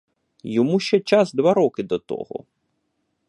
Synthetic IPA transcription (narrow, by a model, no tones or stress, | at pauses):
jɔmuʃt͡ʃɛt͡ʃazd̪ʋaɾɔkɪd̪ɔt̪ɔ̰ɦɔ̰